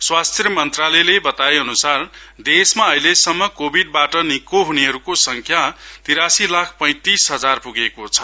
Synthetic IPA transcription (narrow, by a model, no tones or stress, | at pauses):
swast̪ʰjʌmʌnt̪ralʌjlebʌt̪aeʌnusar | d̪esmaʌjlesʌmːʌkobʱiɖ̚baʈʌnikoɦuneɦʌɾukosʌŋkʰjat̪iɾasilakʰpʌj̃t̪isɦʌd͡zarpuɡekot͡sʰʌ̥